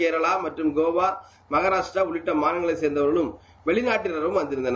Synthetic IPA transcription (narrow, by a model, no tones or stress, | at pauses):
eːɾɐɭaːmɐʈrɯmɡoːʋaː | mɐɣɐɾaːʂʈɾaʊɭɪʈːɐmaːnɐŋɡɐɭɐɪseːɾnd̪ɐʋɐɾɣɐɭɯm | ʋɛɭɪnaːʈːɪnɐɾɯmʋɐnd̪ɪɾɯnd̪ɐn